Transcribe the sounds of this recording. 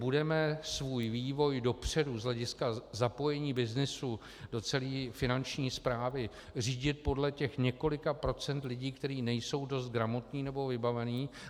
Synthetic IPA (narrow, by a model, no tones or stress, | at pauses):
budɛmɛsvuːjviːvo̞jdo̞pr̝̥ɛduzɦlɛɟɪskazapo̞jɛɲiːbɪznɪsu | do̞t͡sɛliːfɪnant͡ʃɲiːspɾaːvɪ | r̝iːɟɪt̪̚po̞dlɛcɛxɲɛko̞lɪkapɾo̞t͡sɛnt̪lɪɟiːkt̪ɛɾiːnɛjso̞wdo̞st̪̚ɡɾamo̞t̪ɲiːnɛbo̞vɪbavɛniː